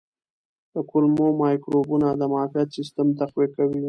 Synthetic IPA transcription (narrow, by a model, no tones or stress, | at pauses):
d̪̥əkʊlmomɑjkɾobunad̪əmɑfjat̪sɪst̪əmt̪aqwekawi